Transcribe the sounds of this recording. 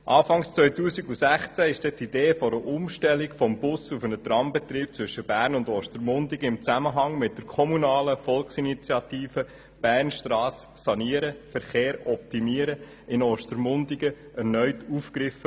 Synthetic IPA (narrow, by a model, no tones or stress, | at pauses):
ʔɑːfɑŋst͡sʋœʏtuːsiɡusæχt͡sæɪʃd̥ɛt̪id̥eːfɔɾəʔʊmʃtɛlːikfɔmbʊsufənət̪rɑmbɛt̪riːp̚t͡sʋʏʃəb̥æːɾnʊndɔːʃtəɾmʊndiɡəɪmt͡sæməɦɑŋmɪt̚d̥əɾkʰɔmunɑːləfɔlksinit͡sjɑt̪iːfə | b̥æːɾnʃtrɑːsːɑniəɾəfəɾχeːɾɔp̚timiəɾə | ɪnɔːʃtəɾmʊndiɡ̥ə | ɛɾnœʏtufkɾɪfə